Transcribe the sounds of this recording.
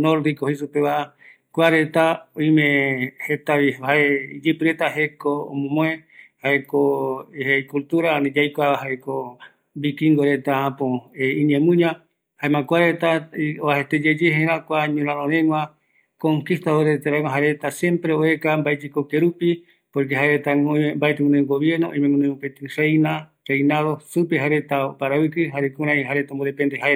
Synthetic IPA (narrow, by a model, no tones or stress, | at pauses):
noɾd̪ikohisupeβa | kʷaɾe̞t̪aõjmẽhet̪aiaeid͡ʒɨpɨɾe̞t̪aɦekoo̰mõmõẽhaekoheikult̪uɾaãnĩd͡ʒajkʷaahaeko | bikiŋɡoɾe̞t̪aãpõeĩɲẽmũɲã | haẽmãkʷaɾet̪aoahet̪ed͡ʒed͡ʒeɦẽɾãkʷaɲũɾãɾõɾẽŋwã | kõŋkist̪aoɾet̪eɾaŋãɦaɾet̪asjẽ̞mpɾeoe̞kambaed͡ʒikokeɾupi | poɾk̬eɦaɾet̪aŋoembaet̪ẽŋõnẽɡoβje̞ɾnoʔõ̰jmẽmõnẽũpet̪ɨrejna | rejnaðo̞supeɦaɾe̞t̪aopaɾawɨkɨɦaɾekũɾãjɦaɾet̪amboɾepẽnd̪eɦae